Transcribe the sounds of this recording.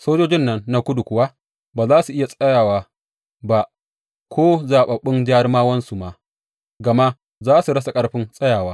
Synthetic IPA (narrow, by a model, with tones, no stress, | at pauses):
soː˦d͡ʒoː˦d͡ʒɪ˦nːɐ˦nːa˨kʷʊ˦du˨kʷʊ˦wa˦ | baː˨zaː˦su˨ʔɪ˦ja˨sʼɐ˦jaː˨waː˨ | ba˨ʔ | kʷʰoː˦zaː˨ɓɐ˨ɓɪ˦nd͡ʒaː˦ɾmaː˦wɐ˦nsu˨ma˨ | ɡɐ˨ma˦ | zaː˦su˨ɽɐ˦s̬a˨kʼɐ˦ɽɸɪ˦nsʼɐ˦jaː˨waː˦